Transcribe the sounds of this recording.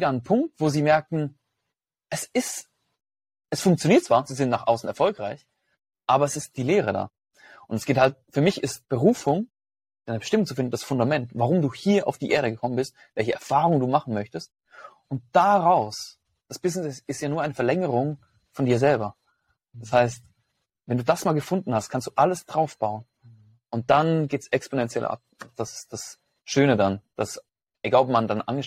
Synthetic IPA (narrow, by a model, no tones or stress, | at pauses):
eːɾnənpʰʊŋk̚tv̥oːziːmɛɐk̚tn̩ | ʔɛsɪst | ʔɛsfʊŋk̚t͡sjoniːɐt̚t͡sv̥aːziːzɪntnaːχʔa̰ʊsn̩ɛɐfɔlkʁaɪç | ʔaːbɐɛsɪst̚d̥iːleːʁəda̰ː | ʔʊntɛsɡ̥eːthalt̚fyːɐmɪçɪstb̥əʁuːfʊŋ | aɪnəbəʃtɪmʊŋt͡sʊfɪndn̩d̥asfʊndamɛntvaʁ̞ʊmduːhiːɐʔa̰ʊfd̥iːʔeːɐɾəɡəkʰɔmənbɪst̚ | v̥ɛlçəʔɛɐfaːʁʊŋduːmaχn̩mœçtəst̚ | ʔʊnt̚d̥aʁaʊs | d̥asb̥ɪznɪsɪsɪstjaːnuɐaɪnəfɛɐlɛŋəʁʊŋ | fɔndiːɐzɛlbɐ | d̥ashaɪst | vɛnduːdasmaːlɡəfʊndn̩hast̚kʰanstd̥uːʔaləsd̥ʁaʊfb̥aʊən | ʔʊnt̚d̥anɡeːtsɛksponɛnt͡sjɛ̰l̰ʔa̰p̚d̥asɪ̥sd̥as | ʃøːnədand̥as | ʔeɡaːlɔp̚mandanʔa̰nɡə